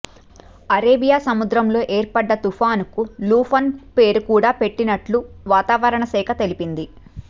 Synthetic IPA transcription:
ɐɾeːbijaːsɐmud̪ɾɐmlo̞ːʔeːɾpɐɖːɐt̪upʰaːnkuluːpʰɐnpe̞ːɾukuːɽaːpe̞ʈːinɐʈluʋaːt̪aːʋɐɾɐɳɐsɛːkʰɐt̪e̞lipind̪i

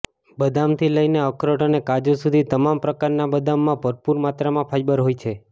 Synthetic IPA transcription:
bəd̪amt̪ʰiləjneəkɾəʈənekad͡ʒosud̪ʱit̪əmampɾəkaɾnabəd̪amːãbʱəɾpuɾmat̪ɾamãpʰajbəɾɦojt͡ʃʰe

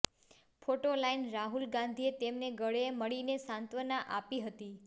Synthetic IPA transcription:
fʰoʈolainɾaɦulɡãnd̪ʱiet̪emneɡəɭeməɭinesãnt̪ʋənaʔapiɦət̪i

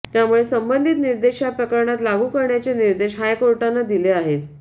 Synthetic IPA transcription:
t̪jamuɭesəmbənd̪ʱit̪niɾd̪eɕjapɾəkəɾɳat̪laɡuːkəɾɳjat͡seniɾd̪eɕɦajkoɾʈanːad̪ileaɦet̪

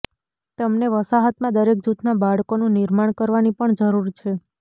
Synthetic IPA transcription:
t̪əmneʋəsaɦət̪mãd̪əɾek̚d͡ʒut̪ʰnabaɭkonũnɪɾmaɳkəɾʋanipəɳd͡ʒəɾuɾt͡ʃʰe

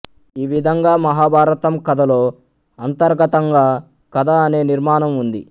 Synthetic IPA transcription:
iːʋid̪ʱɐŋɡaːmɐɦaːbʱaːɾɐt̪ɐmkɐd̪ɐlo̞ː | ɐnt̪ɐɾɡɐt̪ɐŋɡaː | kɐd̪ɐɐne̞ːniɾmaːnɐmund̪ḭ

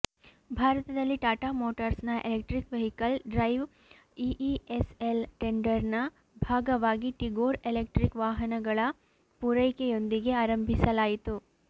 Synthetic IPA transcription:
bʱaːɾɐt̪ɐd̪ɐlːiʈaːʈaːmoːʈɐɾsnɐʔelek̚ʈɾikʋeɦikɐlɖɾɐjʋ | iʔieselʈeɳɖɐɾnɐ | bʱaːɡɐʋaːɡiʈiɡoːɾelek̚ʈɾikʋaːɦɐnɐɡɐɭɐ | puɾɐjkejo̞nd̪iɡe̞aːɾɐmbʱisɐlaːjit̪u

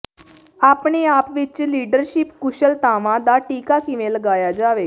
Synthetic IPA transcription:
aːpɳeːaːpʋɪt͡ʃliːɖəɾʃɪpkʊʃəlt̪aːʋãːd̪aːʈiːkaːkɪʋẽːləɡaːjaːd͡ʒaːʋeː

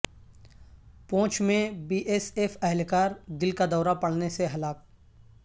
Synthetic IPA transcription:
põːt͡ʃmẽbiːʔeːseːfɐɦɪlkaːɾd̪ɪlkad̪ɔːɾapɐɽneseɦɐlaːk̚

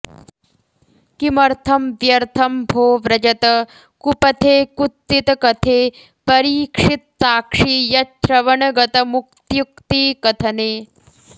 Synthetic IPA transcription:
kimɐɾt̪ʰɐmʋjɐɾt̪ʰɐmbʱoːʋɾɐd͡ʒɐt̪ɐ | kupɐt̪ʰeːkut̪ːit̪ɐkɐt̪ʰeː | pɐɾiːkʂit̪̚saːkʂiːjɐt͡ʃɾɐʋɐɳɐɡɐt̪ɐmuk̚t̪juk̚t̪iːkɐt̪ʰɐneː

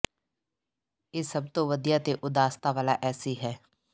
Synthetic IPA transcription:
jesɐb̚t̪oʋəd̪ijat̪eʔʊd̪aːst̪aʋaːlaʔɛːsiɦɛː

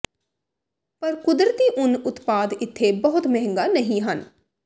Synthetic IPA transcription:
pəɾkʊd̪ɾət̪iːʔʊnʊt̪paːd̪ɪt̪ʰːebəɦʊt̪mɛɦə̃ŋɡaːnəɦĩːɦən

